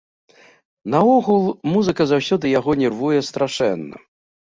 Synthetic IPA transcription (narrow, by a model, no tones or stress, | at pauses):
nɐɔɣulˠmuzɨkɐzawsʲɔd̪ɨjaɣɔnʲɛrvujɛst̪ɾaʂɛ̰nːɐ̰